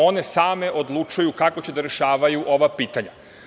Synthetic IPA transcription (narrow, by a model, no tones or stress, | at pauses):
o̞ne̞saːme̞ʔo̞d̪lˠut͡ʃujukako̞t͡ɕe̞d̪aɾe̞ʃaːʋajuʔo̞ʋapiːt̪aɲa